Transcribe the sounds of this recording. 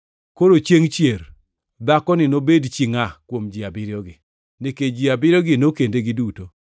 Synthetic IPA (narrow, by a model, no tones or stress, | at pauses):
koɾot͡ʃeŋt͡ʃjer | d̪akɔnɪnobedt͡ʃiŋakwomd͡ʒiabɪɾjɔɡɪ | nɪked͡ʒiabɪɾjɔɡɪnokendeɡɪduto